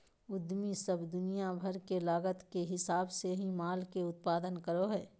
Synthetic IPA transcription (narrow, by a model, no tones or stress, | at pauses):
ʊd̪misəbd̪ʊnijabʱɐɾkelaːɡət̪keɦɪsaːbseɦĩmaːlkeʊt̪̚paːd̪ənkəɾoɦɛː